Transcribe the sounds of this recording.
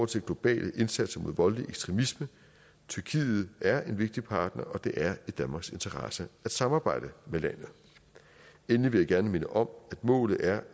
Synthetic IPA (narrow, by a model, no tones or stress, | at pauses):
ɒʊt͡sʰe̝lɡ̥lo̝b̥ɛ̰ːlʔəʔe̝nsæd̥sɐmo̝ð̰ˠʋɒ̽lliʔeɡ̥sd̥ʁemismə | t͡sʰyɐkʰḭːð̩ˠʔæɐe̝nʋe̝ɡ̥̚d̥ipʰɑ̈ːd̥nɐʔɒ̽d̥e̝ʔæɐid̥ænmɑ̈ːɡ̥se̝nt͡sʰɐʁɑ̈səæd̥sɑ̈mɑ̈ːb̥ɑ̈ɪ̰d̥əmelæn̰ð̩ˠ | enliʋe̝jäɡ̥æɐnəme̝nəʔɒ̽mæd̥mɔ̰̽ːlð̩ˠʔæɐ